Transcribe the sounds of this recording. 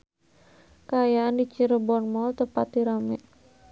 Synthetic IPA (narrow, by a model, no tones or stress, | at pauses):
kaajaʔandit͡ʃiɾəbɔnmɔlt̪əpat̪̚diɾamɛʔ